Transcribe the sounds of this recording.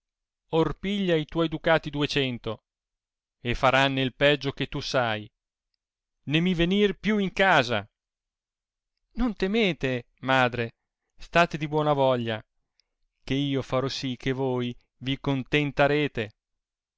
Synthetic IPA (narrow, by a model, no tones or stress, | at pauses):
orpiʎːait̪wɔjd̪ukaːt̪id̪uet͡ʃɛnt̪o | efaɾanːeilpɛd͡ʒːoket̪ːusaj | nemivenirpjuiŋkaːza̰ | nont̪emeːt̪e | maːd̪ɾe | st̪aːt̪ed̪ibwɔːnavɔʎːa | k̟eiːofaɾɔsik̟ːevoːj | vikont̪ent̪aɾeːt̪e